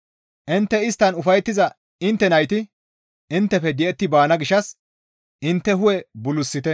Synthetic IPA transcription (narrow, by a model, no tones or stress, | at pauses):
ʔɪnt̪ːɛɪst̪ːɐnʊfɐjt̪ːɪzɐ | ɪnt̪ːɛnɐjt̪ɪ | ɪnt̪ːɛfɛd̪ɪʔɛt̪ːɪbaːnɐɡɪʃːɐs | ʔɪnt̪ːɛɦʊwɛbʊlʊsːɪt̪ɛ